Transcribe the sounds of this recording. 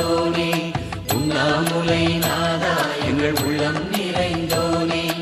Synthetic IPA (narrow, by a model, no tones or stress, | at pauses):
oːni | ʊ̰nːaːlmʊlɐɪnaːðaːjɛ̰ŋɡɐɭʊ̰ɭːɐnnɪɾɐɪnd̪oːni